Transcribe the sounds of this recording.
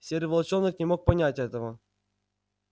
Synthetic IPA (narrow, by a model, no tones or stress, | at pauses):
sʲeɾʲvəlˠt͡ɕonːɨknʲɪmo̞k̚pɐnʲatʲɛt̪əvə